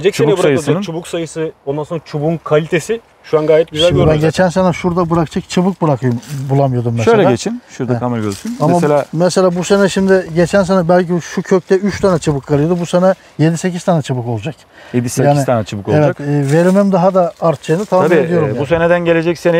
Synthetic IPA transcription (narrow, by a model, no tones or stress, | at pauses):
ed͡ʒɛct͡ʃuebuɛɾajsɯɯnt͡ʃʰubuksajɯsɯond̪ansonɾat͡ʃʰubunkʰalʲit̪ʰe̞si | ʃuanɡaːjɛt̪̚ɟyzælʲmøbænɟet͡ʃʰænsenɛʃuɾd̪abɯɾakɯt͡ʃʰak̚t͡ʃʰɯbɯk̚bɯɾakʰɯjumbulˠamɯjod̪umːɛsʃølʲɛaet͡ʃʰinʃuɾd̪akʰameɾɟøzt̪ʰynamaelʲaːmɛselʲaːbuse̞nɛʃimd̪ɪɟe̞t͡ʃʰæns̬enɛbælʲciʃucʰøc̚t̪ɛyt͡ʃt̪ʰanɛt͡ʃʰɯbɯkʰːalˠɯjod̪ubusenɛ | je̞d̪ise̞cizt̪ʰaːnɛt͡ʃʰɯbɯko̞lˠd͡ʒak | jed̪isjeaːnit̪ʰanɛt͡ʃʰɯbɯkolevˠɛd͡ʒatːve̞ɾimɛmd̪aɦad̪aaɾt̪̚t͡ʃʰajɯnɯt̪ʰaaaied̪ijoɾumjabusened̪ænɟelʲe̞d͡ʒɛcsenɛ